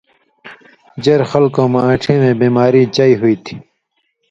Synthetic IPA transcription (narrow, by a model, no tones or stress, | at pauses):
d͡ʑɐɾxɐlkõːmãːʈʰẽːmẽːbiːmaːɾiːt͡ɕaːiɦuiːt̪ʰi̥